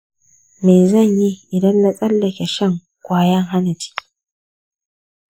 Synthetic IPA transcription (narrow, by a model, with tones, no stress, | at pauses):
meː˨zɐ˦˨ɲji˦ʔɪ˨dɐ˦nlɐ˦sʼɐ˦lːɐ˨kʲe˨ʃɐ˦ŋ | kʷʼaː˦jɐ˦ŋɦa˦na˨t͡ʃɪ̥˦kʲː